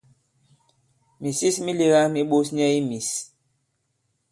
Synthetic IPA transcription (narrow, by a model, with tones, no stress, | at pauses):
mi˨si˦smi˦li˨ɣa˦mi˦ɓo˦sɲɛ˦i˦mi˨s